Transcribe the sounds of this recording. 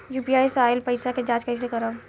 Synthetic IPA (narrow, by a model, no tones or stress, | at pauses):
juːpijaːjsaːɪlpɐɪsaked͡ʒaːd͡ʒkɐɪs̬ekɐɾa